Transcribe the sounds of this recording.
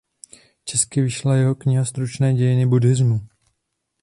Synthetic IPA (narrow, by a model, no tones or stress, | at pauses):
t͡ʃɛskɪvɪʃlajɛɦo̞kɲɪɦast̪ɾut͡ʃnɛːɟɛjɪnɪbudɪzmu